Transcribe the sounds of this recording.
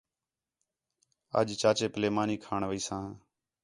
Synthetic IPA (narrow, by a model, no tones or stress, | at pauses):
ə̰d͡ʒt͡ʃaːt͡ʃeːpəleːmaːniːkʰaːɳʋəiːsãː